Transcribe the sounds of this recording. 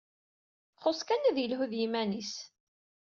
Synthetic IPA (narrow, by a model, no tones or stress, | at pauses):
χʊskænæðjəlɦuðjimænis